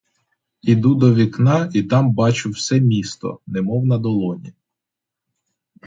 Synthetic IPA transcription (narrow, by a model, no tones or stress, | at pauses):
id̪ud̪ɔʋʲiknɑit̪ɑmbɑt͡ʃʊwsɛmʲist̪ɔ̰nemɔwnɐd̪ɔlˠɔnʲḭ